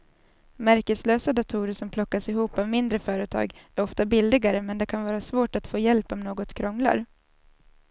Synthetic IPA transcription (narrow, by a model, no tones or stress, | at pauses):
mæɾkəsløːsad̪at̪ʰuːɾəʂɔmpʰlɔkːasɪɦuːpavmɪnd̪ɾəfœːɾət̪ʰɑ̰ːɡæɾɔft̪abɪld̪ɪɡaɾəmɛnd̪ɛkʰanvɑːɾasvoːʈat̪foːjɛlpɔmnoːɡɔt̪kʰɾɔŋla̰ɾ